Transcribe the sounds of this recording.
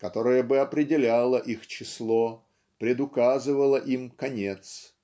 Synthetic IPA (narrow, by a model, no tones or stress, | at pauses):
kɐt̪o̞ɾɨjəbɨɐpɾʲɪdʲɪlʲalˠəʔixt͡ɕɪslˠo | pɾʲɪd̪ʊkazɨvəlˠəʔimkɐnʲet̪s